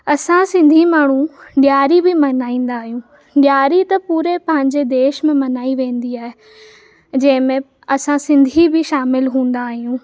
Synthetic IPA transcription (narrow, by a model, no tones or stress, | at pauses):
ɐsãsɪ̃nd̪ʱimaːɳ̤ũɗjaːɾibɪmɐnaːĩːn̆d̪aːɦijũː | ɗjaːɾit̪ɐpuːɾepɐ̃ɦɪ̃ɲd͡ʑed̪eːʃmẽmɐnaːiʋẽːn̆d̪iaːɦe | d͡ʑɐ̃ɦɪ̃mẽ | ɐsãsɪ̃nd̪ʱibɪʃaːmɪlɦũːn̆d̪aːɦijũː